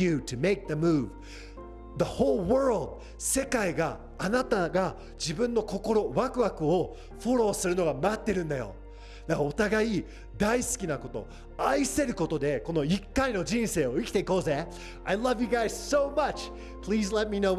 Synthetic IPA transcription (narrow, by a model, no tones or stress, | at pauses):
ɨtʰɨme̞ɪk̚ðəmuːv | ðəhoːlwɜ˞ld̪ | se̞kaiɡaː | nat̪aɡa | d͡ʑibɯ̟̃nːo̞ko̞ko̞ɾo̞βakɯ̟βakɯ̟o | ɸo̞ɾo̞ːsɨɾɯ̟no̞ɡamaat̪ːe̞ɾɯ̟̃nd̪ajo̞̰ | d̪aot̪aɡai | d̪aisɨ̥kʲinako̞t̪o̞̰ | aise̞ɾɯ̟ko̞t̪o̞d̪e̞ko̞no̞ikːaino̞d͡ʑĩñse̞ːo̞ikʲi̥t̪e̞iko̞ːze | aɪlʌvjɨɡaɪzsoʊmʌt͡ʃ | pʰliːzlɛt̪̚minoʊ